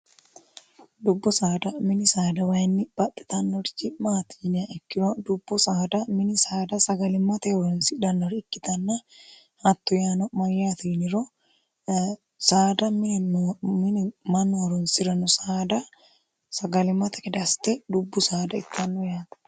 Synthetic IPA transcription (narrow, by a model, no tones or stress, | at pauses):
d̪ʊbːʊsaːd̪ɐmɪnɪsaːd̪ɐwɐjnːɪb̥ɐt̪ʼːɛ̥t̪ɐnːɔɾd͡ʒɪmaːt̪iːnɪaʔɛkːɪɾod̪ʊbːʊsaːd̪ɐmɪnɪsaːd̪ɐsɐɡɐlɪmːɐt̪ɐɔɾɔnsɪd̪ɐnːɔɾɪkːɪt̪ɐnːa | hɐt̪ːʊjaːnɔmɐjaːt̪iːnɪɾo | saːd̪ɐm | ɪmɐnːoɾɔnsɪɾɐnʊsad̪ɐ | sɐɡɐlɪmːɐt̪ɐ̥kɪd̪ɐst̪ɛd̪ʊbːʊsaːd̪ɐɪt̪ːanːʊjaːt̪ɐ̥